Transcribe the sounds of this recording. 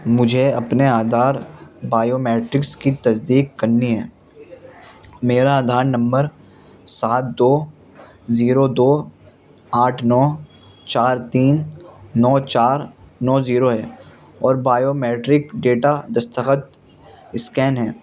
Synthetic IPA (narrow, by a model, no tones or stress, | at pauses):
mʊd͡ʒʱeɐpneaːd̪ʱaːɾbaːjoːmɛːʈɾɪkskit̪ɐsd̪iːkːɐɾniɦɛː | meːɾaːd̪ʱaːɾnɐ̃mbəɾ | saːt̪̚d̪oː | ziːɾod̪oː | aːʈʰnɔː | t͡ʃaːɾt̪iːnnɔːt͡ʃaːɾnɔːziːɾoɦɛː | ɔːɾbaːjoːmɛːʈɾɪkɖeːʈad̪ɐst̪ʰəxət̪ | ɪskɛːnɦɛː